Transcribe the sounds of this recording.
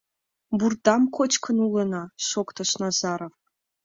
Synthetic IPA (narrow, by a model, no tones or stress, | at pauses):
burd̪ɑmkʷʰot͡ʃkʰənulˠənaʃokt̪ʰoʃnazaɾov